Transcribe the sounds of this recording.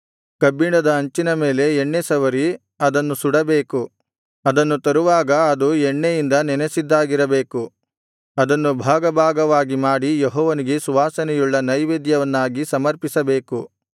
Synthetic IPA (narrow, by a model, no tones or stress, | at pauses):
kɐbiɳɐd̪ɐɐɲt͡ʃinɐme̞ːle̞eɳːesɐʋɐɾi | ɐd̪ɐnːusuɽɐbeːku | ɐd̪ɐnːut̪ɐɾuʋaːɡɐːd̪ueɳːejind̪ɐnɛnesid̪ːaːɡiɾɐbeːku | ɐd̪ɐnːubʱaːɡɐbʱaːɡɐʋaːɡimaːɽijeɦɔːʋɐniɡesuʋaːsɐnɛjuɭːɐnɐjʋeːd̪jɐʋɐnːaːɡisɐmɐɾpisɐbe̞ːku